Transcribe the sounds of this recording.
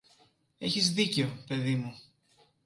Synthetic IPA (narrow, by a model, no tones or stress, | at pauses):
e̞çizðiceope̞ðimu